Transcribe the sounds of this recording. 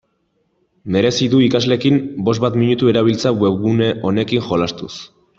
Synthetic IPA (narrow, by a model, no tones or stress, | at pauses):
me̞ɾe̞siðuikazle̞kimbo̞zβat̪miɲut̪ue̞ɾaβ̞ilt͡sawe̞βɣuneʔo̞ne̞kiŋʝo̞last̪us